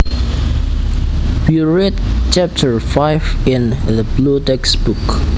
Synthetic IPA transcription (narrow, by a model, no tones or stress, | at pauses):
bjuɹett͡ʃɛp̚tʰəɹfaɪvĩnðəblutɛksb̥uk